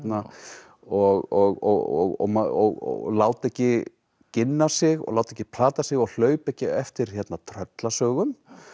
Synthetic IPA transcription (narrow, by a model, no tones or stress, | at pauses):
t̪na | ɔɣɔɣɔ̰ɔ̰ɣɔ̰maɔɣɔ̰laːwt̪ɛhcɪ | cɪnːasɪɣɔ̰ɣlaːwt̪ɛhcːɪpʰl̥aːt̪asɪɣɔɣl̥œːɥpɛhcɪɛft̪ɪɾ̥çɛt̪nat̪ʰɾœt̪lasœːɣʏm